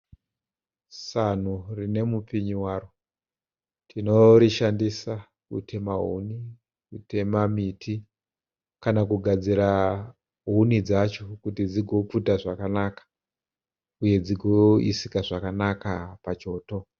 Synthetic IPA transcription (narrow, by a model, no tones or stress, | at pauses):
san̤urine̞mupiɲiwaːɾo | tʰino̞ɾiʃandisa | kṵtʰe̞maɦṵni | kutʰe̞mamitʰi | kanakuɡʱad͡ziɾa | ɦunid͡zat͡ʃokutid͡ziɡʱo̞putaʐakanakḁ | uje̞d͡ziɡʱoḭsikaʐakanakapat͡ʃo̞ːto̞